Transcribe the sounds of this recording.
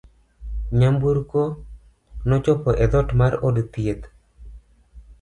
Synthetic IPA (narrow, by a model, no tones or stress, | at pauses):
ɲambuɾko | nɔt͡ʃɔpɔʔed̪ɔtmaɾɔdt̪iet̪